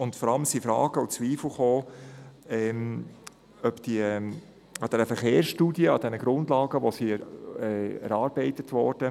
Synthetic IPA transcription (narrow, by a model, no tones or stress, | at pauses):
ʊntfɔɾɑləmsifɾɑ̰ːɡ̥əut͡sʋiːfl̩ˠχoː | ɛm | œpd̥iə | ɑd̥ɛɾəfəχeːɾsʃtuːdiəɑd̥ɛnəɡ̥ɾʊndlɑːɡ̥əʋosiɛɛ̰ɾɑːɾbɛɪtətʋɔ̰ːɾd̥ə